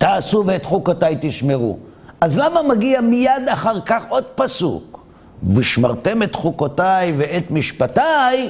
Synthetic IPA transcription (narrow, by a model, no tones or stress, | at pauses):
t̪aːsuveet̪χukotajt̪iʃme̞ʁṵ | azlamamaɡiamijad̪aχaʁkaχʔo̞d̪̚pasṵk | viʃmaʁt̪e̞met̪χukotajveet̪miʃpataj